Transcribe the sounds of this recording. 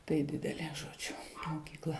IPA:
tɐɪ ˈdʲɪdʲɛlʲeː ʒoːˈd͡ʒʲʊ moːkʲiːkˈlˠɐ

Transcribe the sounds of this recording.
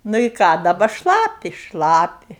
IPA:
nʊ ɪ ˈkɑː dɐˈbɐ ˈʃlˠɑːpʲɪ ˈʃlˠɑːpʲɪ

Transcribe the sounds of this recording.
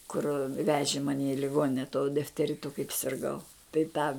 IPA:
kʊr ˈʋʲæːʒʲɪ ˈmɑːnʲɪ ɪ lʲɪˈɡoːnʲɪnʲɛ tuɔ dʲɪfʲtʲɛˈrʲɪtʊ kɐɪp sʲɪrˈɡɐʊ tɐɪ ˈtɑː

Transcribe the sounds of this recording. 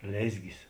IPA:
ˈlʲeːzʲɡʲɪs

